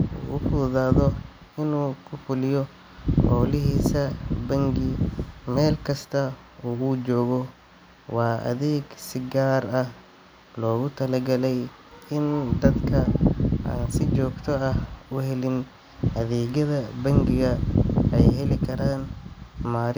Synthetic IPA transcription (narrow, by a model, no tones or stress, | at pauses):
ṵːwʊfuːðaːðɔ | ɪnuːkʰʊfʊlɪjɔ | ħɔːlɪɦiːsɐbɐŋɡɪmɛːlkʰɐst̪ʰɐ | uːuːt͡ʃɔːɣɔ | wɑːʔɐ̰ðɛːɡsɪɡaːrɐh | lɔːɣʊt̪ʰɐlɐɡɐlɛj | ɪnd̪ɐd̪kʰɐa̰ːnsɪt͡ʃɔːɡt̪ʰɔɐhʊɦɛlɪn | ʔɐðɛːɣɐðɐbɐŋɡɪɣɐɛjɦɛlɪkʰɐɾaːnmaːɾ